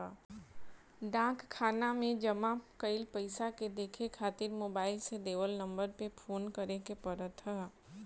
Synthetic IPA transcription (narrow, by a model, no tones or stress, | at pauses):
ɖãːkkʰːaːnamẽd͡ʒəmakəɪlpəɪsaked̪eːkʰekʰaːt̪ɪɾmoːbaːɪlsed̪eːʋəlnə̃mbəɾpepʰoːnkəɾekepəɾət̪ɦaː